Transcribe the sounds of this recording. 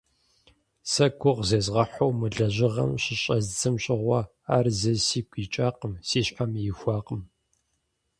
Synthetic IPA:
sɐkʷʰʊʁzeːzʁɐħowmɨɮɐʑɪʁɐ̰mɕɪɕʼɐzd͡zɨmɕʼɪʁʷɐ | aːrzɐsiːkʷʰiːt͡ʃʼaːqəmsiːɕħamjɪxʷɑːqəm

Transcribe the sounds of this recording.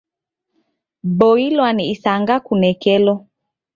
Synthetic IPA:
boilwaniisaŋɡakunɛkɛlɔ

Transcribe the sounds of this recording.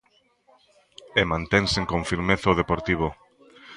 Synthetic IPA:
emãnt̪ẽnseŋkõɱfiɾmeθaoðepoɾt̪iβ̞o

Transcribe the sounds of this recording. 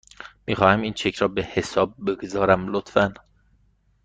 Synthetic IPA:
miːχɒːhæmiːnt͡ʃʰecʰɾɒːbehesɒːb̚ːe̞ɡozɒːɾæmlot̪fæn

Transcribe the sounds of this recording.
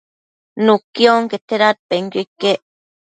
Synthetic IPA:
nukioŋket̪eɾat̪̚peŋkekːeʔ

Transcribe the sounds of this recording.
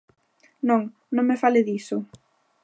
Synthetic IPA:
nõŋ | nõŋmefalɪðisʊ

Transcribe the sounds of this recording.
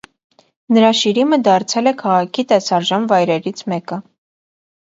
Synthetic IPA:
nəɾɑʃiɾiməd̪ɑɾt͡sʰɛlɛkʰɑʁɑkʰit̪ɛsɑɾʒɑnvɑjɾɛɾit͡sʰmɛkə

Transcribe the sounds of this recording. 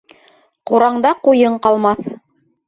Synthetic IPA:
quɾɑɴd̪ɑqujɤɴqɑlˠmɑθ

